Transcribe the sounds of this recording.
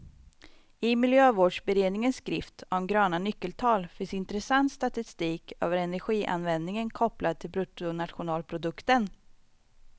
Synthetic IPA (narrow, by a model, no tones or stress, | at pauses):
ɪmɪljøːvoːɖʂbɛɾeːd̪nɪŋənsːkɾɪft̪ɔmɡɾøːnanʏkːəlt̪ʰɑːlfɪnsɪnt̪ɾɛsant̪st̪at̪ɪst̪iːkʰø̰ːvəɾɛnæɾɧiːʔa̰nvɛnd̪nɪŋənkʰɔplad̪̚t̪ʰɪlbɾʊt̪ʊnat̪ɧʊnɑːlpʰɾʊd̪ɵkt̪ən